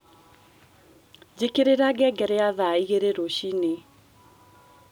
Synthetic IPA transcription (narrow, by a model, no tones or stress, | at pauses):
d͡ʑekeɾeɾaɡɛɡɛɾɛaðaiɣeɾeɾoɕine